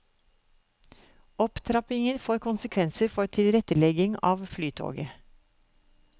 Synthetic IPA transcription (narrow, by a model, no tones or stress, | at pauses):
ɔpt̪ʰɾɑpɪŋənfoːɾkʰʊnsəkʰʋɛnsəɾfɔɾt̪ʰɪlɾɛt̪əlɛɡɪŋɑːʋflyːt̪ʰo̰ːɡə